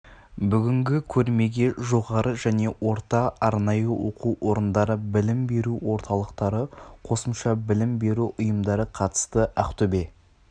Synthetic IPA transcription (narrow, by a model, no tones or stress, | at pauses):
bʏɡʲɪŋɡʲɪkʲʰɵɾme̞ɡʲe̞ʒo̞ʁɑɾʔəʒæne̞wo̞ɾt̪ɑɑɾnɑjəwo̞̰quwwo̞ɾənd̪ɑɾəbɪlɪmbe̞ɾuwo̞ɾt̪ʰɑlˠəqt̪ɑɾəqʰo̞səmʃɑbɪlɪmbe̞ɾuʔʊjəmd̪ɑɾəqʰɑt̪ə̥st̪əʔæqt̪ɵbe̞